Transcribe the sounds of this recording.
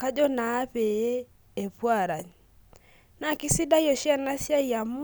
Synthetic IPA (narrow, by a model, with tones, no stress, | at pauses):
ka˦d͡ʒɔ˦naː˨˦pe˨je˦ | e˨pwa˦˨ɾa˨ɲ | na˨kɪ˦si˦da˦jɔ˨ʃja˦˨na˦sja˦ja˨mu˦